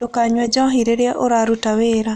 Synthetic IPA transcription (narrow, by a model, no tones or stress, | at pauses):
dokaɲwɛd͡ʒɔɦiɾeɾjɛʔoɾaɾutaweɾa